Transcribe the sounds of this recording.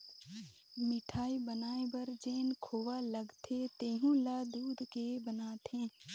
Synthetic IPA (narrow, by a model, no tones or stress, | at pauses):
mɪʈʰaːibənaːebəɾd͡ʒeːnkʰoːʋaləɡt̪ʰet̪eːɦũlaːd̪uːd̪ʱkebənaːt̪ʰẽː